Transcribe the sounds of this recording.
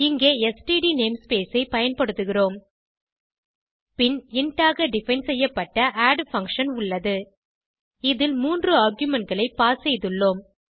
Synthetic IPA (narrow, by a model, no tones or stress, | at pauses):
ɪŋɡeːɛsʈiːɖineːmspeːsɐɪpɐjɐnpɐɽɯt̪ːɯɣɪroːm | pɪnɪɳʈaːɣɐɖɪfɐɪnsɛjːɐpːɐʈːɐʔaːɖfɐŋkʂɐnʊɭːɐðɯ | ɪðɪlmuːndrɯaːɾɡjʊmɛɳʈɡɐɭɐɪpːaːsɛjðɯɭːoːm